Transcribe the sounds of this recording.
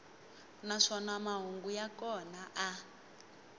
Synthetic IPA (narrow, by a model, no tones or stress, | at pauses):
naʂɔnamaɦuŋɡujakɔnaʔa